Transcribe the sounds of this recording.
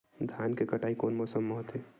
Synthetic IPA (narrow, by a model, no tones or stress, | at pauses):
d̪ʱjaːnkekɐʈaːikoːnmɔːsəmːɔɦt̪e